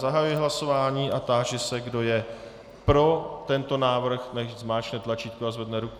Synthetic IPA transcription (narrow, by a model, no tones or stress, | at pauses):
zaɦajujɪɦlaso̞vaːɲiːʔat̪aːʒɪsɛɡdo̞jɛ | pɾo̞t̪ɛnt̪o̞naːvr̩xnɛʃzmaːt͡ʃnɛt̪lat͡ʃiːt̪̚koazvɛdnɛɾuk